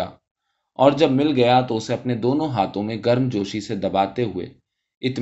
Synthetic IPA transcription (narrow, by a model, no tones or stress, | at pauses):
a̰ː | ɔːɾd͡ʒɐb̚mɪlɡɐjat̪oʊseɐpned̪oːnõɦaːt̪õmẽɡɐɾmd͡ʒoːʃised̪ɐbaːt̪eɦʊḛ | ɪt̪